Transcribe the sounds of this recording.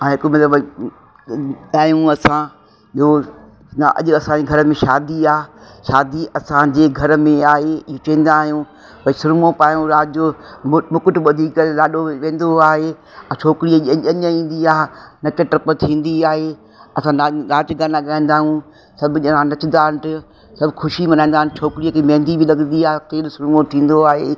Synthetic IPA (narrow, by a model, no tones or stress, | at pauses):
ãɦɪkmɐt̪ləb | ɠaːjũɐsã | ɗiɦo | nʔɐ̰ʄʊɐsãɲd͡ʑeːɡʱɐɾəmẽʃaːd̪iaː | ʃaːd̪iʔɐsãd͡ʑeːɡʱɐɾəmẽaːɦeɪɦõt͡ɕɐɦĩn̆d̪aːɦijũ | pɐisʊɾmõpaːjũɾaːd͡ʑomʊkʊʈ̆ɓɐd̪ʱikəɾlaːɗoʋẽːnd̪oaːɦe | ɐt͡ʃʰoːkɪɾiəʄɐɐɲəĩːn̆d̪iaːnɐkəʈɐpət̪ʰĩːnd̪iaːɦeː | ɐsãnanaːd͡ʑɪɡaːnaɠaːĩːn̆d̪aːɦũː | sɐbʱʊʄɐãnɐt͡ɕɪ̃nd̪aːɦɪɪʈɪ | sɐbʊxʰʊʃimɐnãːĩːnd̪aːɦnt͡ɕʰoːkɪɾiəkʰemɛ̃ːnd̪ibɪlɐɡənd̪iaːkeːlsʊɾmõt̪ʰĩːn̆d̪oaːɦeː